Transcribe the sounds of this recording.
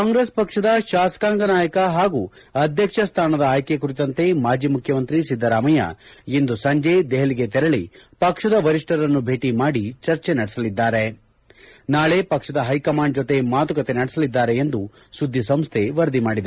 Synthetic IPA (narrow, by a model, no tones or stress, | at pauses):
kkaːŋɡɾespɐkʂɐd̪ɐʃaːsɐ̥kaːŋɡɐnaːjɐkɐɦaːɡu | ɐd̪ʱjɐkʂɐst̪ʰaːnɐd̪ɐaːjkekuɾit̪ɐnt̪e̞maːd͡ʒiːmukʰjɐmɐnt̪ɾisid̪ʱːɐɾaːmɐjɐ̰end̪usɐɲd͡ʒed̪ɛɦɐɭiɡet̪ɛɾɐɭipɐkʂɐd̪ɐʋɐɾiʂʈɐɾɐnːubʱe̞ːʈimaːɽit͡ʃɐɾt͡ʃenɐɽɛsɐlid̪ːaːɾe | naːɭe̞ːpɐkʂɐd̪ɐɦɐjkɐmaːɳɖ̚d͡ʒot̪e̞maːt̪ukɐt̪enɐɽɛsɐlid̪ːaːɾe̞end̪u | sud̪ʱːisɐmst̪ʰeʋɐɾd̪imaːɽid̪e